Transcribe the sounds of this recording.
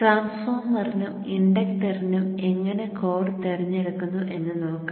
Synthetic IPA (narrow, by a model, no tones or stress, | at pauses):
ʈraːnsfoːrmɐrinum | iɳɖɐkʈɐrinume̞ŋːɐne̞ko̞ːɽɨt̪eriɲːiɽukːunːuʔe̞nːɨnoːkːu